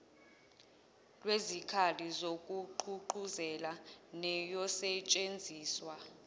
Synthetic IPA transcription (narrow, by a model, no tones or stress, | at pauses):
lwezikʰalizok̬ʼuǃʰuǃuzɛlanɛjɔsɛt͡ʃʼend͡zʱiːswa